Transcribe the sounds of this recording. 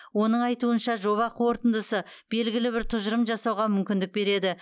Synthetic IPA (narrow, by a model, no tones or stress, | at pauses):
wo̞nəɴɑjt̪uənʃɑʒo̞βɑqwo̞ɾt̪ənd̪əsə | b̥e̞lɡʲɪlɪbɪɾt̪ʰʊʒəɾəmʒɑsɑwʁɑmʏmkʲɪnd̪ɪk̚be̞ɾe̞d̪ɪ